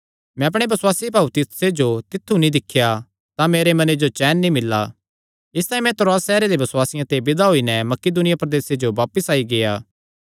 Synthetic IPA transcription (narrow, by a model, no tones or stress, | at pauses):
mɛ̃ɐp̬ɽ̃ebɐswaːsibaːut̪ɪsed͡ʒot̪ɪt̪ʰːunĩd̪ɪkʰːja | t̪ameːɾemɐned͡ʒot͡ʃɛːnːĩmɪlːa̰ | ɪst̪aːĩmɛ̃t̪ɾaːsɛːɾeɾebɐswaːsɪjãt̪ebɪd̪aɦoːinɛmɐkɪd̪ʊnɪjapɾɐd̪eːsed͡ʒoʋaːpəsaːiɡejaː